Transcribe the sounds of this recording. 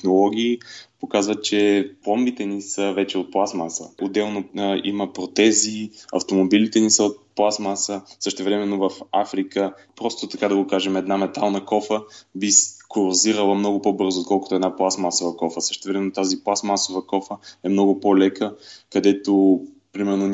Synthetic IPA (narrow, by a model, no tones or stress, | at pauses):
nolˠɔɡʲiːpokazvət͡ʃɛplˠɔmbit̪ɛnisəvɛt͡ʃɛot̪̚plˠasmasə̰od̪ːɛlˠnoḭməpɾot̪ɛziɐ̰ft̪omobilit̪ɛnisəot̪̚plˠasmasəsəʃt̪ɛvɾɛmɛnːovɐfafɾikə | pɾɔst̪ʊt̪ɐkad̪ɐɡokaʒɛmɛd̪namɛt̪alˠnəkɔfəbiskoɾoziɾəlˠəmnɔɡʊpɔbɤɾzot̪kɔlˠkʊt̪oɛd̪naplˠasmasovəkɔfəsə̥ʃt̪ɛvɾɛmɛnot̪aziplˠasmasovəkɔfəɛmnɔɡʊpolɛkəkɐd̪ɛt̪o | pɾimɛɾno